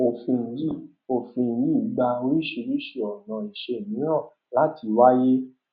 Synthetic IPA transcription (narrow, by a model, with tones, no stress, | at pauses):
o˨fĩ˧n̩˧ji˦˨ | o˨fĩ˧n̩˧˦ji˦˨u˨˦ɡ͡ba˧o˧ɾi˦˨ʃe˧ɾi˦ʃe˧˨ɔ˨nã˨i˨ʃe˧˨nĩ˨˦nã˦˨ | la˦ti˧wa˦je˦